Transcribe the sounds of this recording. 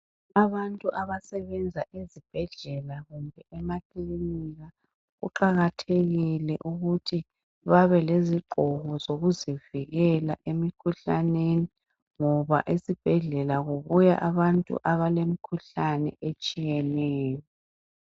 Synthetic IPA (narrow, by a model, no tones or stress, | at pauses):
aβantʼuʔaβasɛβɛnd͡zʱaʔizib̥ʱɛɮɛlaɣumbʱɛʔɛmakʰʼliniɣa | ɣṵǃaɣatʰeɣilɛʔuɣutʰi | βaβɛleziǃʱɔɣɔzoɣuziviɣɛlaʔemikʰuɬaneni | ŋɔβa̰ʔisib̥ʱɛɮɛlaɣoβuja̰ʔaβantʼṵʔaβalem̩kʰuɬanɛ̰ʔet͡ʃʼijɛnɛːjɔ